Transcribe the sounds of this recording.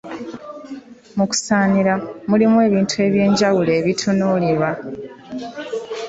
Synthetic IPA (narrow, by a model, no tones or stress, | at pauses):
muku̥saːniɾamulimwe̞ːβiːntʰue̞ːβje̞ːɲɟawule̞ːβitʰunuːliɾwa